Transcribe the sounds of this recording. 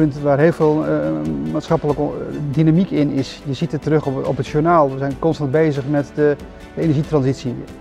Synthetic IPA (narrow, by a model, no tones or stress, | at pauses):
ɵntʋaːrɦeːlˠveːlˠmaːtsχɑpələkdinamikɪnɪsjəzitətərɵχɔ̰pətʃunaːlˠʋəzɛjnkɔnstɑnd̚bejzəχmɛtdə | dəejnɛəɹʒitrɑnzitsi